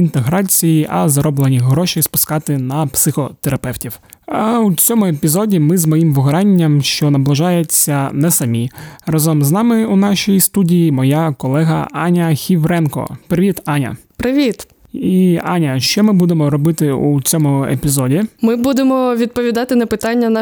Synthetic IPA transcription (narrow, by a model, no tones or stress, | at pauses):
int̪eɦɾɑt͡sʲijiʔɐzɐɾɔblˠenʲiɦɾɔʃispʊ̥skɑt̪ɪnɐpsɪxɔt̪eɾɐpɛwtʲiw | ɐut͡sʲɔmʊepʲizɔdʲimɪzmɔjimʋʊɦɐɾɑnʲːɐmʃt͡ʃɔnɐblˠɪʒɑjet͡sʲːɐnɛsɐmʲirɐzɔmznɑmɪunɑʃijist̪udʲijimɔjakɔlˠɛɦɐ̰ɑnʲɐxʲiʋɾɛnkɔ̰pɾɪʋʲit̪ɑnʲɐ̰ | pɾɪʋʲit̪ | iɑnʲɐʃt͡ʃɔmɪbud̪emɔɾɔbɪt̪ɪut͡sʲɔmʊḛpʲizɔdʲimɪbud̪emɔʋʲid̪̚pɔʋʲid̪ɑt̪ɪnɐpɪt̪ɑnʲːɐnɐ